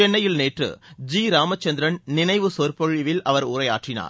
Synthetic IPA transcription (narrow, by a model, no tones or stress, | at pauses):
ɛnːɐjɪlneːʈrɯ̰d͡ʒiːɾaːmɐt͡ʃːɐnd̪ɪɾɐnnɪnɐɪʋɯsoːɾpɔɻɪʋɪlʔɐʋɐɾʊɾɐjaːʈrɪna̰ːɾ